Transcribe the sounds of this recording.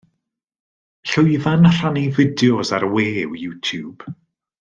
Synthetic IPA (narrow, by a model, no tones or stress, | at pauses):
ɬʊɨvanr̥anivɪdjɔsaɾweːwjuːtʰjuːb̥